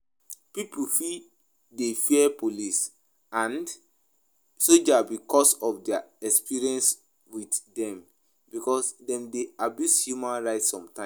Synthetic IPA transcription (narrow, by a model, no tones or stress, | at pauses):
piplfi | defiɛpolis | ãnd | sod͡ʒabikɔsɔfdɛaɛkspiɹiɛ̃ns | widdɛ̃m | bikɔsdɛ̃mdeabjushjumãnɹaɪtsɔ̃mtãɪ̃